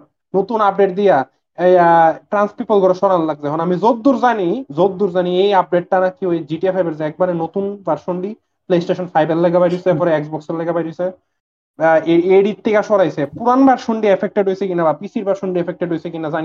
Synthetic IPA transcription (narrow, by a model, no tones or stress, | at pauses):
not̪unap̚ɖeʈ̚d̪ija | ejaʈɾanspipolɡɔɾeʃɔɽanlaɡ̚d͡ʑɛɦɔnamizod̪ːuɾzanizod̪ːuɾzaniejab̚ɖeʈ̚ʈːanakiojd͡ʑiʈiefajbeɾzeɛk̚baɾenot̪unbaɾʃoɳɖi | plesʈeʃɔnfʰajballɛɡabajɾujseeɾpɔɾeeksbɔkselɛɡabajɾusʰe | eeɖit̪ʰːekaʃɔɽajsʰepuɾanbaɾʃoɳɖiefʰek̚ʈeɖɦojsʰekinabapisʰiɾbaɾʃoɳɖiefek̚ʈeɖɦojsʰekinazani